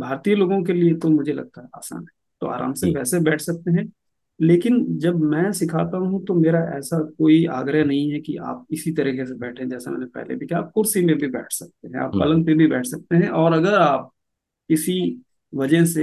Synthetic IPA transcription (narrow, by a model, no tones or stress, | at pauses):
bʱaːɾt̪ijəloːɡõkeliet̪omʊd͡ʒʱelɐ̰ɡ̚t̪aɦɛa̰ːsa̰ːnɦɛ | t̪o̰a̰ːɾa̰ːmseʋɛːsebɛːʈʰsɐk̚t̪eɦɛ̃ː | leːkɪnd͡ʒɐbmɛ̃ːsɪkʰaːt̪aɦuɦũt̪omeːɾaʔɛ̰ːsakoːia̰ːɡɾjanɐɦĩɦɛkḭa̰ːp̚ɪsit̪ɐɾiːkesebɛːʈʰeɛ̃d͡ʒɛːsamɛ̰ːnepɛ̰ɦlḛbʱikjaːp̚kʊɾsimẽbʱibɛ̰ːʈʰsɐk̚t̪eɦɛ̃a̰ːppɐ̰lə̃npebʱibɛːʈʰsɐk̚t̪eɦɛ̃ʔɔːɾɐɡəɾaːp̚ | ɪsi | ʋɐd͡ʒəɦse